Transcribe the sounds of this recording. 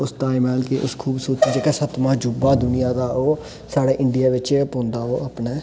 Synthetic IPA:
ʊst̪aːɪmɛːlkeʔʊskʰuːbsoːt͡ʃ̪iːd͡ʒeːkɛːsət̪mãːd͡ʒubaːd̪ʊnɪjãːd̪aːoː | saːɽeːʔɪɳɖɪjaːʋɪt͡ʃpõːnd̪aːoːaːpnɛː

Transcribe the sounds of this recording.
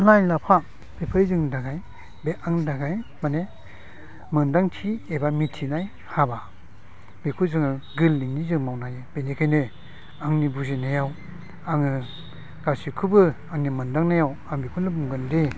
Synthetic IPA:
lajlapʰa | b̥epʰɯjzɯŋdaɡaj | beʔaŋdaɡajmane | mɯndaŋtʰiebamitʰinaj | haba | bikʰuzɯŋɯɡɯlːinizɯŋmawnajɯb̥enekʰajnɯ | aŋnibuzinajaw | aŋɯ | ɡ̥asikʰɯbɯ | aŋnimɯndaŋnajawaŋbikʰunɯmuŋɡɯnde

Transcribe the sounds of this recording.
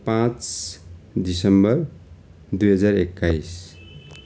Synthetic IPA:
pãt͡s | d̪isʌmbʌɾ | d̪ujɦʌd͡zaɾekːajs

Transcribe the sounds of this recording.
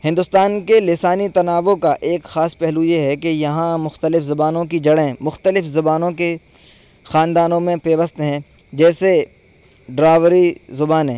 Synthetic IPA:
hɪ̃nd̪ʊst̪aːnkelɪsaːnit̪ɐnaːʋokaʔeːkxaːspɛɦlujeɦɛkejɐɦãmʊxt̪əlɪfzɐbaːnõkid͡ʒɐɽẽmʊxt̪əlɪfzɐbaːnõke | xaːnd̪aːnõmẽpeːʋəst̪ɦɛ̃ | d͡ʒɛːse | ɖɾaːʋɾizʊbaːnɦɛ̰̃ː

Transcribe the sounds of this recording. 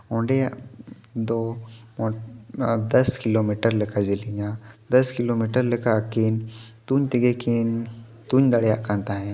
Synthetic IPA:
õːɳɖeja | d̪õ | d̪ɐskɪlomiʈəɾləkad͡ʒiliɲad̪ɐskɪlomiʈəɾləkakint̪uɲt̪iɡeken | t̪uɲd̪ɐɽjaʔkãnt̪aɦɛ̃

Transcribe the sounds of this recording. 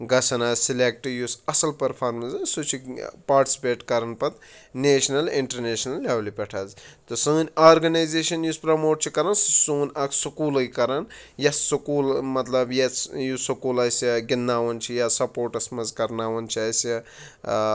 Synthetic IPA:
ɡɐsʰɐnaːzsilek̚ʈjusɐsɐlpɐɾpʰaːɾmɐnsɨsut͡ʃʰipaːɾʈi̥si̥peːʈkɐɾɐnpɐt̪neːt͡ʃnɐliɳʈɐɾneːʃnɐlːaːwlipʲɐʈʰɐzt̪ɨsɨːnʲaːɾɡɐnajzeːʃɐnjuspɾɐmoːʈ̚t͡ʃʰikɐɾɐnssuːnʲɐksukuːlɐjkɐɾɐnjɐt͡ssukuːlmɐt̪lɐbjet͡sjusukuːlɐjsɐɡinːaːwɐnt͡ʃʰijasɐpoːɾʈɐsmɐzkɐɾnaːwɐnt͡ʃʰiɐsɐ

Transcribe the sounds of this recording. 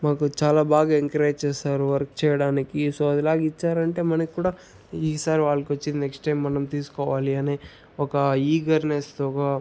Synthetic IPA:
maːkut͡ʃaːlaːbaːɡaːeŋkɐɾeːd͡ʒt͡ʃeːsaːɾuʋɐɾk̚t͡ʃɛːjɐɽaːnikisoːɐd̪ilaːɡit͡ʃːaːɾɐɳʈe̞ːmɐnɐkikːuːɽaː | isaːɾiʋaːɭːɐkʋɐt͡ʃːind̪ineksʈʈɐjmːɐnɐmt̪iːsu̥kɔːʋaːliɐneː | ɔkɐiːɡɐɾnesʈɔkɐ

